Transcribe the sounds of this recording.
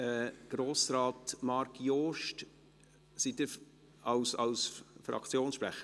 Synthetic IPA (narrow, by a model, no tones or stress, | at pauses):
ɛɡ̥ɾoːsɾɑːtmɑɾkjoːʃt | sitə | ɑwsɑ̰lsfɾɑ̰kt͡sjoːnsʃpɾɛχə